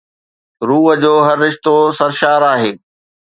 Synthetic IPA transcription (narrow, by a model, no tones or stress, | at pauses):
ɾuːɦə̆d͡ʑoːɦɐɾːɪʃt̪osɐɾʃaːɾaːɦeː